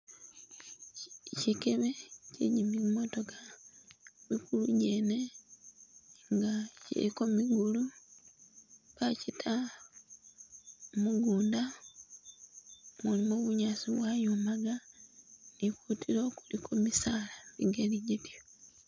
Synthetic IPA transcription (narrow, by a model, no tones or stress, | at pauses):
cikeβecḛɟimiumo̞to̞ka | mikuluɟene̞ | ŋɡacḭɾikomiɡulu | kacitʰa | muɡuːnda | mulimo̞βuɲaːsiβwajomaɡa | nikutʰiɾo̞ːku̥likomisaːlaβḭɡeliɟitjo